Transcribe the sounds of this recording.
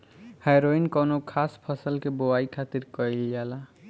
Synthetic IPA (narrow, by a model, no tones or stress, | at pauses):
hajɾoinkonokʰaspʰəsəlkeboaikʰat̪iɾkʌjljala